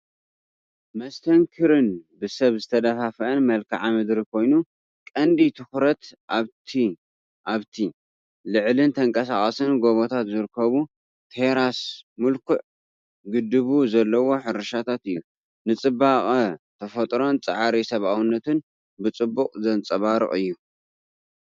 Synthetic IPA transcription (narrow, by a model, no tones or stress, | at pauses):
mɐst̪ʰɐŋkʰɨɾɨnbɨsɐβzɨt̪ʰɐd̪ɐfafɐʔɐnmɐlkʰa̰ʕamɨd̪ɾikʰo̞jnu | kʼɐnd̪it̪ʰɨxɾɐt̪aβt̪ʰi | ʔaβt̪ʰi | lɨʕlɨnt̪ʰɐŋkʼɐsaχʼɐsɨnɡo̞βo̞t̪ʰat̪zɨɾɨkʰːɐβu | t̪ʰeɾasmɨlkʰʊʕ | ɡɨd̪ːɨβuzɐlːɐwo̞ħɨɾɐʃat̪ʰat̪ɨjːu | nɨt͡sʼɨbaχʼɐt̪ʰɐfɐt̪ʼɾo̞nt͡sʼa̰ʕaɾisɐβawɨnːɐt̪ɨn | bɨt͡sʼɨbːuqʼzɐnt͡sʼɐβaɾɨ̰ʔʼɨjːu